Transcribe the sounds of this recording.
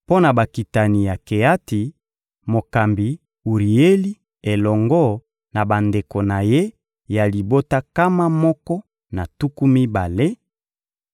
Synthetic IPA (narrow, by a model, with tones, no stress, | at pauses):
po˦na˨ba˨ki˨ta˨ni˨ja˨ke˨a˦ti˨ | mo˨ka˨mbi˨ | u˨ʁi˨e˦li˦ | e˨lɔ˨ŋɡɔ˦ | na˨ba˨nde˨ko˨na˨je˦ | ja˨li˨bo˦ta˦ka˦ma˦mɔ˦kɔ˦ | na˨tu˦ku˦mi˦ba˨le˦